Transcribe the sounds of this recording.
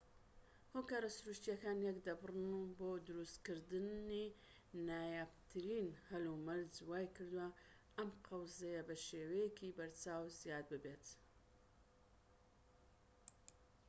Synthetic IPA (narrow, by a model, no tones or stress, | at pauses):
hokaːɾasʊɾuʃt̪ijɐkaːnjɛkd̪ɐbrɨnuboːd̪ɨɾust̪kɨɾd̪ɨni | naːjapt̪ʰɨɾinhɐlumɐɾzwaːjkɨɾd̪uwɐ | ʔɐmqʰɐwzɐjɐbɐʃeːwɐjekʰibɐɾt͡saːwzjaːd̪̚bɨbet̪